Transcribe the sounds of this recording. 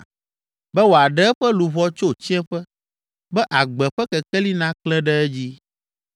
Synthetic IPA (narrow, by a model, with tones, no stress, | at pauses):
bɛ˦wo˨a˨ɖɛ˦ɛ˦ɸɛ˦lu˨vɔ˦t͡ʃo˦˨t͡ɕi˦ɛ̃˦ɸɛ˦ | bɛ˦ʔa˨ɡ͡bɛ˨ɸɛ˦kɛ˨kɛ˦li˦nã˦klɛ̃˦ɖɛ˦ɛ˦d͡ʑi˦